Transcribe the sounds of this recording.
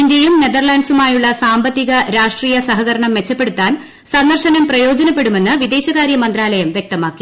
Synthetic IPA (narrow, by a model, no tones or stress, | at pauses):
inde̞jumne̞ðɐrɭaːnsumaːjuɭːɐsaːmbɐt̪ːiɣɐɾaːʂʈriːjɐsɐɦɐɣɐɾɐɳɐmːe̞t͡ɕːɐpːeɽut̪ːaːn | sɐnd̪ɐrʂɐnɐmprɐjo̞ːd͡ʑɐnɐpːe̞ɽume̞nːɨʋid̪e̞ːɕɐɣaːɾjɐmɐnd̪raːlɐjɐmʋjek̚t̪ɐmaːkːi